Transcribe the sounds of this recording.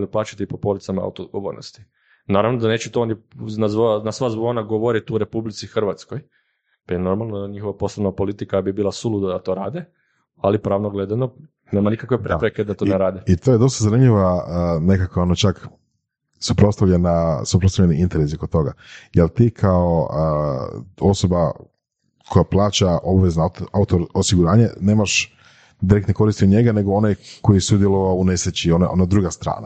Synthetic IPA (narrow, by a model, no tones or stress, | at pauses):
liplaːt͡ʃḁt̪ipopo̞lit̪samaa̰wt̪oɡoʋo̰ːɾno̰st̪i̥ | naːɾaʋnod̪ane̞ːt͡ɕɛt̪oonjnazʋonasʋazʋonaɡoʋoɾit̪uɾe̞publit̪sixr̩ʋat̪skoj | pajeno̞ɾmalˠnoaɲixo̞ʋapo̞slonapolit̪ikabibiːlˠasulud̪ad̪at̪o̞ɾa̰ːd̪e | alipɾaːʋnoɡle̞d̪ano | nemanikakʋepɾepɾeked̪at̪oneɾaːd̪eit̪ojed̪o̞st̪azanimʎiʋane̞kakʋaonot͡ʃak | supɾo̞t̪t̪aʋʎʲenasupɾost̪aʋʎeniint̪eɾesiokot̪o̞ɡajelt̪ikʰaoə | o̞soba | kʰo̞japlˠaːt͡ʃaʔo̞baʋe̞znaaut̪oosiɡuɾaːɲene̞ːmaʃ | d̪iɾekt̪neko̞ɾist̪ioɲe̞ɡane̞ɡoo̞najko̞jisud̪jeloʋaoune̞sɾet͡ɕio̞naʔonad̪ɾuɡast̪ɾa̰ːna̰